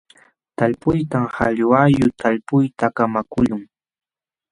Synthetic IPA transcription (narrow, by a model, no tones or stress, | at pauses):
t̪aʎpʊjt̪amhaʎwajʊt̪ʰaʎpʊjt̪akamakʊʎʊŋ